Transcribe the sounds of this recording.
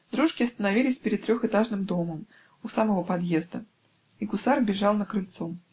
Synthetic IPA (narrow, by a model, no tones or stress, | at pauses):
d̪ɾuʂkʲɪɐst̪ənɐvʲilʲɪsʲpʲɪɾʲɪt̪t̪ːɾʲoxɨt̪aʐnɨmd̪o̞məm | usaməvəpɐd̪jezd̪ə | ikʊsarbʲɪʐɑlˠnəkɾɨlʲt̪so